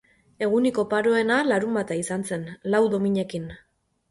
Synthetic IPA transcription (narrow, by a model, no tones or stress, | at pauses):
e̞ɣ̞uniko̞paɾo̞e̞nalaɾumbat̪aisanse̞nlawðo̞miɲe̞kin